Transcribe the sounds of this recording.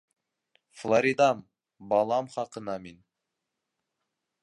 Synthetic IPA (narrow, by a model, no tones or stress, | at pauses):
flˠoɾʲid̪ɑm | bɑlˠɑmχɑqɤ̆nɑmin